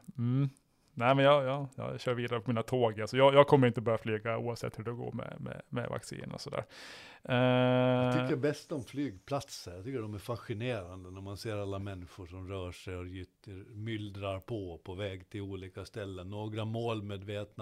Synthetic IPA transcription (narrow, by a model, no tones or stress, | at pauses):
m̩ | næɪmɛnjɑjɑːjɑ̰ɕœːɾviːd̪aɾəpʰɔmiːnat̪ʰoːɡalsɔjɑːjɑːɡkʰɔmːəɾɪnt̪əɔbœːɾaflyːɡaṵːavsɛ̰t̪hʉɖɛɔɡo̰ːmɛ̰mɛ̰mɛ̰va̰ksḭːnɔ̰sɔd̪æ̰ːɾ | əəjabɛst̪ɔmflyːɡpʰlat̪səɾjat̪ʏkːəɖɔmæɾfaɧɪneːɾand̪ənæɾmanseːɾalːamɛnːɪɧʊʂɔmɾœːʂɛjɔjʏt̪ːəmʏld̪ɾaɾpʰɔpʰɔvɛːɡt̪ʰɪluːliːkast̪ɛlːənːoːɡɾamoːlmeːd̪veːt̪n